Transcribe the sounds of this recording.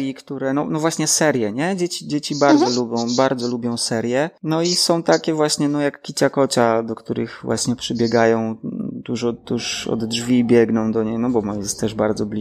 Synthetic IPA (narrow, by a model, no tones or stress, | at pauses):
ikt̪uɾɛnɔnɔvwaɕɲɛsɛɾjɛɲɛd͡ʑɛt͡ɕid͡ʑet͡ɕibaɾdzɔlubʲjɔ̃w̃baɾd̪zɔlubʲjɔ̃w̃sɛɾjɛnɔisɔ̃w̃t̪akʲɛvwaɕɲɛnɔjakːʲit͡ɕakɔt͡ɕad̪ɔkt̪uɾɘ̰ɣvwa̰ɕɲɛpʂɨbʲjɛɡajɔ̃w̃t̪uʐɔd̪uʂɔ̰d̪dʐvʲibʲjɛɡnɔ̃w̃d̪ɔɲejnɔbɔmɔjɛst̪t̪ɛʐbaɾd̪zɔblʲi